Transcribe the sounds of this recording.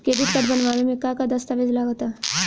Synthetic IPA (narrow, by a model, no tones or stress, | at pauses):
ked̪it̪kəʈbənʋamemikakad̪əst̪aʋed͡zlaɡot̪a